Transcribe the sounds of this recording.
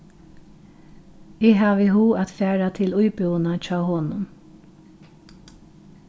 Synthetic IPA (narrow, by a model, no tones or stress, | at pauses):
ɪːɦaːʋɪɦuːat̪fæːɹat̪ʰɪlʊjpʏwnat͡ʃɑːɦoːnʊn